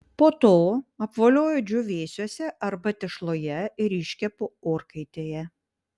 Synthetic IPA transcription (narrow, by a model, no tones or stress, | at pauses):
poːt̪oːɐpʋoːlʲoːjoːd͡ʒʲʊʋʲeːsʲuɔsʲɛʔɐɾbɐt̪ʲɛʃlˠoːjɛɪɾɪʃʲkʲɛpʊoːɾkɐɪt̪ʲeːjɛ